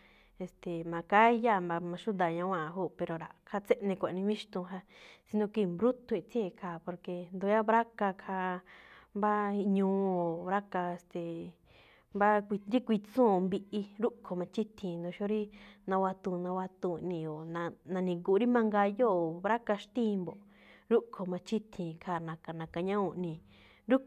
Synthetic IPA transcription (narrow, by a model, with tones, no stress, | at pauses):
e˧st̪e˨mã˧ka˦i˦ja˦˨ma˧mã˧ʃu˦d̪a˨ɲã˧wʷã˦˧ɦuː˦˨pe˧ɾo˧ɾa̰˨kʰa˧t͡se˦ʔnẽ˧kʷa˨nĩ˧βĩ˦ʃt̪ũ˧ɦa˧si˧˦nõ˧ki˧˨mbɾu˦t̪ũ˧ĩ˧t͡si˦e˧kʰaː˧˨po˧ɾke˧nd̪u˧˦ja˦βɾa˦ka˧kʰa˧mba˦˧ɲũː˧˦o˨βɾa˦ka˧e˧st̪e˨ | mba˦kʷi˧ɾi˦kʷi˧t͡sũː˦˨˧mbi˧ʔi˧ɾu˦ʔkʰo˨mã˧t͡ʃi˦t̪ʰĩ˧nd̪õ˧ʃo˦ɾi˦nã˧wa˧t̪ũ˧˨˧nã˧wa˧t̪ũ˧˨nĩ˧˨o˨nã˧nã˧nĩ˧ku˧˨˧ɾi˦mã˧ŋɡa˧jo˦˨o˨βɾa˦ka˧ʃt̪ĩ˦˧mbo˨ | ɾu˦kʰo˨mã˧t͡ʃi˦t̪ʰĩ˧kʰa˧˨nã˨˧ka˨nã˨ka˧ɲã˦ũ˧ʔnĩ˧˨ | ɾu˦